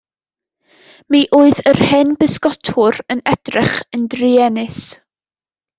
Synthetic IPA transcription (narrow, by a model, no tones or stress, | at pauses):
miːʔuːɨðərhɛnbɪskɔtʰʊɾənɛd̥rɛχəndriɛnɪs